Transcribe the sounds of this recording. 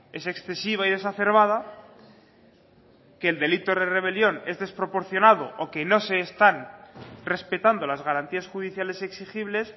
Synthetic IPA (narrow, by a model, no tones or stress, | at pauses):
e̞se̞ksθe̞siβ̞aið̞e̞saθe̞ɾβ̞að̞a | ke̞ːld̪e̞lit̪oðere̞β̞e̞ljo̞ne̞zðe̞spɾo̞po̞ɾθjo̞naðoʔoke̞no̞se̞ːst̪anre̞spet̪and̪o̞lazɣaɾant̪iasxuðiθjale̞se̞ksixiβle̞s